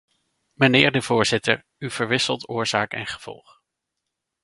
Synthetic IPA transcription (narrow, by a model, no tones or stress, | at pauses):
mənɪːɹdəv̥ʊːɹz̥ɪtə̰ɹ | ywv̥əɹʋɪsəlˠtʊːɹz̥aːkɛ̰nχə̥v̥ɔ̰lˠχ